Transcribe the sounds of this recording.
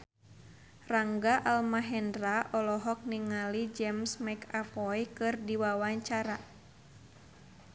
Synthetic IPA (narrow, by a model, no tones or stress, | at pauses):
raŋɡaʔalmaɦɛndraʔɔlɔɦɔk̚niŋalid͡ʒɛmsmakapɔjkɨrdiwawaɲt͡ʃaɾa